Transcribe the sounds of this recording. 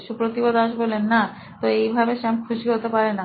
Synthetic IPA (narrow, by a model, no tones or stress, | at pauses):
ʃupɾot̪ibod̪aʃbolenːa | t̪oejbʱabeʃɛmkʰuʃiɦot̪epaɾena